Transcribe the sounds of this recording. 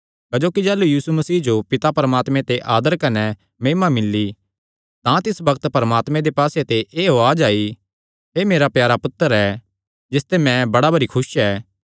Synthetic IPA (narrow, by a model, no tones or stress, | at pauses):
kɐd͡ʒoːkid͡ʒɛːlujiːsumɐsiːd͡ʒopɪt̪apɐɾəmaːt̪mɛ̃t̪eʔaːd̪əɾkɐnɛ | meːmamɪlːi | t̪ãt̪ɪsbɐkət̪pɐɾəmaːt̪mɛ̃d̪epaːset̪eʔeːɦoaːd͡ʒaːi | ɦeːmeːɾapjaːɾapʊt̪ːəɾɛː | d͡ʒɪst̪emɛ̃bɐɽabɐɾikʰʊsɛː